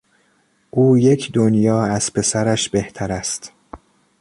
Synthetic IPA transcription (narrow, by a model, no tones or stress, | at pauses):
ʔuːje̞cʰd̪onjɒːæz̥pʰe̞sæɾæʃb̥e̞ht̪ʰæɾæst̪